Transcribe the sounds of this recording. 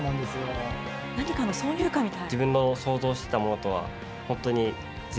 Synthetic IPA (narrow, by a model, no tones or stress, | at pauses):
nãnd̪esɨjo | naɲ̟ʲikanosoːjɯ̟ːkamʲit̪and͡ʑibɯ̟̃nːo̞so̞ːzo̞ːɕi̥t̪e̞t̪amo̞no̞t̪o̞β̞a̰ | hõ̞nt̪o̞ɲ̟i | d͡ʑi